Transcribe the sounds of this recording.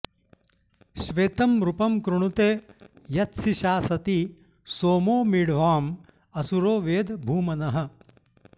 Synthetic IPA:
ʃʋeːt̪ɐmɾupɐmkɾuɳ̃ut̪eːjɐt̪siʃaːsɐt̪i | soːmoːmiɽʋaːm | ɐsuɾoːʋeːd̪bʱuːmɐnɐɦɐ̆

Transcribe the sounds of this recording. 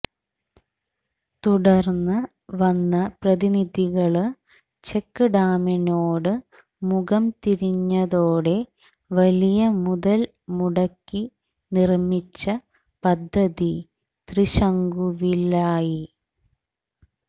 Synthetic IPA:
t̪uɽɐrnːɐ | ʋɐnːɐprɐðinid̪ʱiɣɐɭ | t͡ɕekːɨɖaːminoːɽɨ | muɣɐmt̪iɾiɲːɐðoːɽe̞ | ʋɐlijɐmuðɐl | muɽɐkːi | nirmit͡ɕːɐ | pɐd̪ʱːɐði | t̪riɕɐŋɡuʋilaːji

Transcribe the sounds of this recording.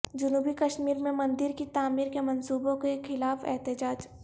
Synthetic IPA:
d͡ʒʊnuːbikɐʃmiːɾmẽmɐ̃nd̪ɪɾkit̪aːmiːɾkemɐnsuːbõkexɪlaːfɛ̰ɦt̪ɪd͡ʒaːd͡ʒ

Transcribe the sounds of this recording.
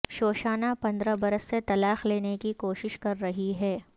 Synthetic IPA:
ʃoːʃaːnapɐ̃nd̪ɾabɐɾəsːet̪ɐlaːxleːnekikoːʃɪʃkɐɾːɐɦiɦɛː

